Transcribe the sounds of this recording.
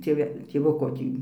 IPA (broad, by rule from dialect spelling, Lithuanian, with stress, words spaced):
tʲeːˈʋʲɛ tʲeːˈʋʊkoː ˈtʲiː